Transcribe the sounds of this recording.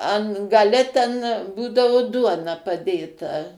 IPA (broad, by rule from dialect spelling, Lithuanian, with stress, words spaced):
ˈɐn ɡɐˈlʲɛ ˈtʲɛn ˈbuːdɐʋʊ ˈduɔnɐ pɐˈdʲeːtɐ